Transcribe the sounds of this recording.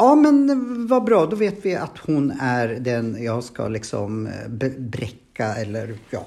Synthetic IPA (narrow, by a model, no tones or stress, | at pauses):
jɑːmɛnvɑbɾɑːd̪ɔveːt̪vɪat̪hʊnæɾd̪ɛnjɑːɡska̰lɪksɔ̰mbɛbɾɛkːaɛlːəɾjɑ̰ː